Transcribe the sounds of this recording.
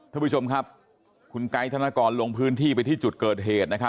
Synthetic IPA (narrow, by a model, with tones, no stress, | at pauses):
t̪ʰaː˥˩˦u˦˥t͡ɕʰo˧mkʰa˦˥p̚ | kʰu˧nka˦˥jt̪ʰa˧naː˦˥˩kɔː˧nlo˧ŋpʰɯː˦˥nt̪ʰiː˥˩pa˧jt̪ʰiː˥˩t͡ɕu˨˩t̪̚kɤː˨˩t̪̚ɦeː˨˩t̪̚na˦˥kʰa˦˥